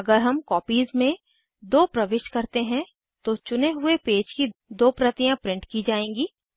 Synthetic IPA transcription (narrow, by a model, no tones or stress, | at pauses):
ɐɡəɾɦɐmkɔːpiːzmẽ | d̪oːpɾɐʋɪʃkɐɾt̪eɦɛ̃ | t̪ot͡ʃʊneɦʊepeːd͡ʒkid̪oːpɾɐt̪ijãpɾɪ̃ɳʈkid͡ʒaːẽːŋɡiː